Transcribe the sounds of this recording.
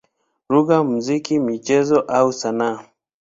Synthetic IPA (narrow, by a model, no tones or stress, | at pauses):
ɾuɣam̩zikimit͡ʃɛzɔʔausanaː